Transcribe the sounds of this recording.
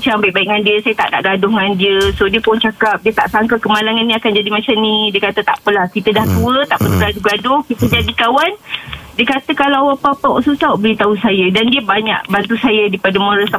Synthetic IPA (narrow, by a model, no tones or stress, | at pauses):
t͡ʃambaiʔ̚baiʔŋandiəsajət̪a̰ʔna̰ʔɡadʊŋŋandiəsodiəpʊnt͡ʃakap̚diət̪a̰ʔsaŋkakəmalaŋanːĩakand͡ʒadimat͡ʃamnidiəkat̪ət̪a̰ʔpəlahkit̪ədaht̪uət̪aʔpəduɡaduɡadʊhkit̪əd͡ʒadikawandiəkat̪əkalawawapapaʔsusaʔbəlit̪ausajədandiəbaɲa̰ʔbant̪usajədipadəmõɾəsa